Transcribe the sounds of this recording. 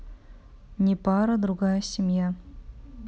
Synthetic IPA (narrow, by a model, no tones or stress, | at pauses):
nʲepɑɾəd̪ɾuɡɑjəsʲemʲja